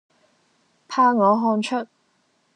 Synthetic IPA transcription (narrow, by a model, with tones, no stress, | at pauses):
pʰaː˧ŋɔː˨˧ɦɔː˧nt͡ʃʰɵ˥t̚